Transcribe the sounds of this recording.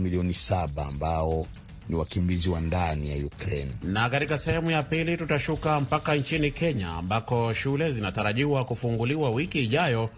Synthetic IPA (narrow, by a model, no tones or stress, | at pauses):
miliɔnisaɓaːmbaɔ | niwakimbiziwandanija̰jukɾɛnnakatikasɛhɛmujapilitutaʃukam̩pakant͡ʃinikɛɲa̰ːmbakɔʃulɛzinataɾaʄiwakufuŋɡuliwawikiːʄajɔ